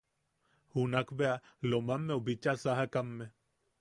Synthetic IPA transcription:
hunakʰbea | lomamːẽʊbit͡ʃasaɦakɐmːẽ

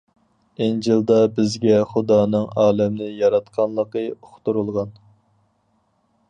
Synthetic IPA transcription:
end͡ʒɨlˠd̪ɑbɪzɡʲɛχud̪ɑːnɨŋɑːlˠɛmnɪjɑɾɑt̪qʰɑnlˠəqəoχt̪uɾulˠʁɑn

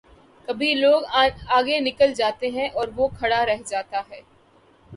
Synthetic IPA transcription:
kɐbʱiloːɡaːɡenɪkəld͡ʒaːt̪eɦɛ̃ʔɔːɾʋokʰɐɽaɾɛɦd͡ʒaːt̪aɦɛː

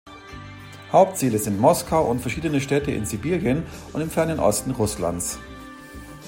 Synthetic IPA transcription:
haʊp̚tt͡siːləzɪntmɔskʰaʊʔʊntfɛɐʃiːdənəʃtɛːtəʔɪ̰nzibiːljənʔʊntɪmfɛɐnənʔɔ̰stn̩ʁʊsla̰nt͡s

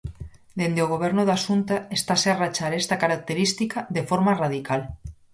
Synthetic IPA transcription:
d̪end̪eoɣ̞oβ̞eɾnoðasunt̪aest̪asearat͡ʃaɾest̪akaɾak̚t̪eɾist̪ikaðefoɾmaraðikal

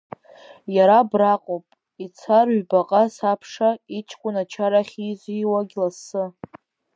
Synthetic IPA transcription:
jaɾabraqʼopʼ | it͡sʰarɥbaqʼasapʰʂait͡ʃʰʼkʷʼʊnat͡ʃʰaɾaχʲizʷiwaɡʲlasɨ

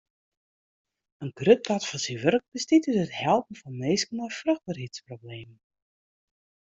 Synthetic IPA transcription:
ənkrøt̚datfɔnsiʋørk̚b̥əstitytəthɛlˠpən̩fɔnmeːskənɔjfrøx̚barɦitsprobleːmən

